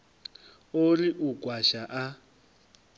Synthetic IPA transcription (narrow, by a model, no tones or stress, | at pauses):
olɪʔukʼwaʃaʔa